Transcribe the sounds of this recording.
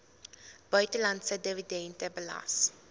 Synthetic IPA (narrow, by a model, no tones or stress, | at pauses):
b̥œɥtəlɐnsədividɛntəbəlɐ̰s